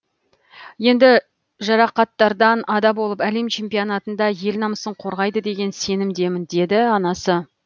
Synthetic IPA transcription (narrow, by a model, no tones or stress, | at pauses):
je̞nd̪ɪ | ʒɑɾɑqɑt̪ːɑɾd̪ɑnɑd̪ɑbo̞lˠəpæle̞mt͡ʃʰe̞mpijonɑt̪ənd̪ɑje̞lnɑməsəɴqʰo̞ɾʁɑjd̪əd̪e̞ɡʲe̞nse̞nɪmd̪e̞mɪnd̪e̞d̪ɪɑnɑsə